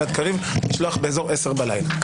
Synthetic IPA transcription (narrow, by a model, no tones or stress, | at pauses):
at̪kaʁivniʃloaχbeeːzo̞ʁeseʁbalajla